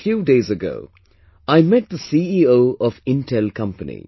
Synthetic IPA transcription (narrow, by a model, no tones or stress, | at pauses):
fjuːdeɪzɨɡo̰ʊ | aɪmɛt̚d̪əsiioʊɔvɪ̃ntʰɛlˠkʰʌ̃mpənḭ